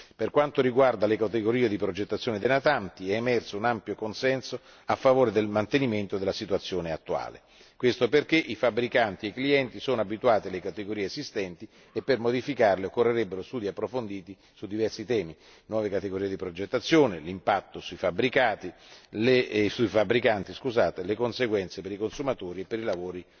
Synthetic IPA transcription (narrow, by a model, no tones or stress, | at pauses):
perkwant̪oɾiɡward̪alekat̪eɡoɾiːed̪ipɾod͡ʒet̪ːat̪sːjoːned̪enat̪ant̪iɛːmɛrsounampjokonsɛnso | afːavoːɾed̪elmant̪eniment̪od̪elasit̪wat̪sːjoːneat̪ːua̰ːlḛ | kwest̪operk̟eʔifabːɾikant̪iekliɛnt̪isoːnoabit̪uaːt̪ilekat̪eɡoɾiːeezist̪ɛnt̪i | epːermod̪ifikarleokːorːeɾebːeɾost̪uːd̪iapːɾofond̪iːt̪i | sud̪ːivɛrsit̪ɛːmi | nwɔːvekat̪eɡoɾiːed̪ipɾod͡ʒet̪ːat̪sːjoːnelimpat̪ːosuifabːɾikaːt̪ilesuifabːɾikant̪iskuzaːt̪elekonseɡwɛnt̪sepeɾikonsumat̪oːɾiepːeɾilavoːɾi